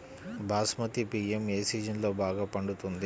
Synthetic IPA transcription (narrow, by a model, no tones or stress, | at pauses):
bʱaːsmɐt̪ipiːeme̞ːsiːd͡ʒɐnlo̞ːbaːɡaːpɐɳɖut̪und̪i